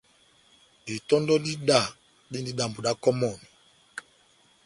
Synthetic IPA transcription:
i˨tɔ˦ndɔ˦di˦ɗa˦˨ | di˦ndi˦ɗa˨mbu˨ɗa˦kɔ˦mɔ˨ni˨

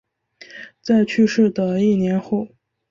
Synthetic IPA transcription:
t͡sa˥˧ɪt͡ɕʰy˥˧ʂɻ̩˥˩d̪ə˩i˥˩njɛ˧˥nxo˥˩ʊ

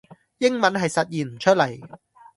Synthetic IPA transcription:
jɪ˥ŋmɐ˨˥nɦɐ˨jsɐ˨t̚jiː˨˩nm̩˨˩t͡ʃʰɵ˥t̚lɐ˨˩j

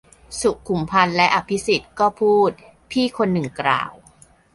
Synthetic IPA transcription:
su˨˩kkʰːu˨˩mpʰa˧nlɛ˦˥ʔa˧pʰi˦˥si˨˩t̪̚kɔː˥˩pʰuː˥˩t̪̚ | pʰiː˥˩kʰo˧nːɯ˨˩ŋkɾa̰ː˨˩w

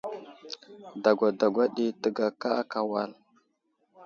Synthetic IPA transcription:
da˨ɡʷa˨da˨ɡʷa˦ɗi˦tə˨ɡa˨ka˦a˦ka˨wa˨l

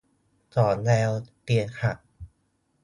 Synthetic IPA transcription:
t͡ɕɔː˩˦nlɛː˧wpi˨˩ənkʰa˨˩t̚

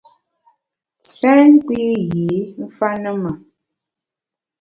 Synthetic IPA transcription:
sɛː˦ŋ̩˦kwi˦ɣi˨˦m̩˦fa˦nə˦mə˨

